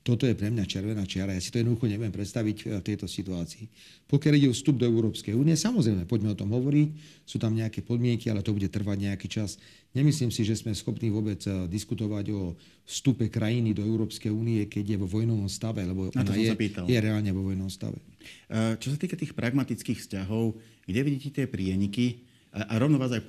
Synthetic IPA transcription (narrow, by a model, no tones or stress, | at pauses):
t̪ɔt̪ɔjɛpɾɛmɲat͡ʃɛɾʋɛnaːt͡ʃɪaɾajasit̪ɔjɛd̪nd̪uxɔɲɛʋujɛmpɾɛt̪st̪aʋicft̪ɛjt̪ɔsit̪uaːt͡siː | pɔkjaliɟɛɔfst̪ub̚d̪ɔɛʊɾɔːpskɛjuːniɛsamɔzɾɛɪmɛpɔɟmɛɔt̪ɔmɦɔʋɔɾic | suːt̪amɲɛakɛpɔd̪mɪɛŋkia̰lɛt̪ɔbuɟɛt̪r̩ʋaɟɲɛakit͡ʃas | ɲɛmisliːmsiʒɛzmɛsxɔpniːʋʊɔbɛd͡zd̪iskut̪ɔʋaɟɔ | fst̪upɛkɾʔajinid̪ɔɛʊɾɔːpskɛjuːniɛkɛɟɪjɛʋɔʋɔjnɔʋɔmst̪aʋɛlɛbɔnat̪ɔsjɛsapiːt̪aljɛɾɛaːlɲɛʋɔʋɔjnɔmst̪a̰ʋɛ̰ | t͡ʃɔs̬at̪iːkat̪iːxpɾʔaɡmat̪it͡skiːxfscaɦɔʊɡɟɛʋiɟiːcɛt̪ɪɛpɾɪɛɲiki | aʔaɾɔʋnɔʋaːzaj